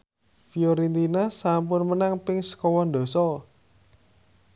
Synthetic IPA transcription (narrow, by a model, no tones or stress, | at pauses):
fijoɾint̪inasamp̬ʊnmənaŋpɪŋsə̥kɔwɔnd̪o̤sɔ